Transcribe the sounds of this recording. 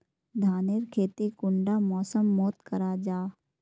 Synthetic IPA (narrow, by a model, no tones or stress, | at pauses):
d̪ʱaːneɾkʰeːt̪ikʊɳɖamɔːsəmːoːt̪kəɾaːd͡ʒaː